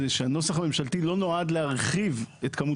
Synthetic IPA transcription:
eʃeano̞saχame̞mʃaltilo̞no̞adleaʁχivet̪kamu

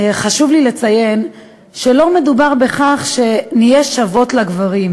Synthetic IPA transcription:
χaʃuvlile̞t͡saje̞n | ʃelo̞me̞dubaʁbe̞χaχʃe̞nijeʃavo̞tlaɡvaʁim

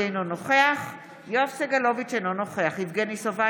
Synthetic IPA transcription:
ejnonoχeaχ | joafseɡalo̞vit͡ʃenonoχeaχivɡenisova

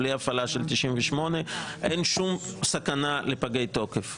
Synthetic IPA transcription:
lejafalaʃelt̪iʃimveʃmo̞neʔenʃumsakanale̞paɡe̞jt̪o̞kef

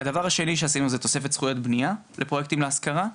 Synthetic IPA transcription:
ad̪avaʁhaʃe̞niʃ̬easinuzet̪o̞se̞fe̞t̪sχujo̞t̪bnia | lʔepʁojek̚t̪imleaskaʁa

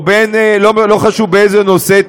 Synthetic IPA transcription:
benelomloχaʃuvbeejzenose

